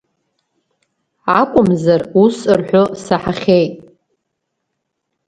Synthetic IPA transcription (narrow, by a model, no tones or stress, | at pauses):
akʷʼʊmzarusɨrħʷᶣosaħaχʲejtʼ